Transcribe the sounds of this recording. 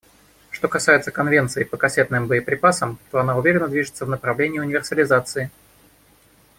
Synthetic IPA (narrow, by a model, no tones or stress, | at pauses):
ʂt̪o̞kɐsajɪt̪səkɐnvʲe̞nt̪sɨɪpəkɐsʲet̪nɨmbəɪpɾʲɪpasəmt̪o̞ɐnaʊvʲeɾʲɪnːəd̪vʲiʐɨt̪səvnəpɾɐvlʲenʲɪjəʊnʲɪvʲɪrsəlʲɪzat̪sɨɪ